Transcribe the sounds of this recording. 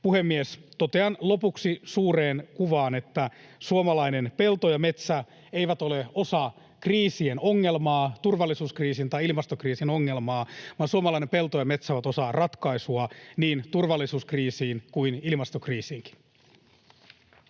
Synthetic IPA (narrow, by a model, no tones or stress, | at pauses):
puhemːiest̪o̞t̪eɑnlo̞puksisuːreːnkuʋɑːne̞t̪ːæsuomɑlɑine̞npe̞lt̪ojɑme̞t̪sæ | eiʋæt̪o̞leo̞sɑ | kriːsienoŋːe̞lmɑːt̪urʋɑlːisuːskriːsint̪ɑiilmɑst̪okriːsino̞ŋːe̞lmɑːʋɑːnsuomɑlɑinepe̞lt̪ojɑme̞t̪sæoʋæt̪o̞sɑrɑt̪kɑisuɑniːnt̪urʋɑlːisuːskriːsiːnkuinilmɑst̪okriːsiːŋk̟i̥n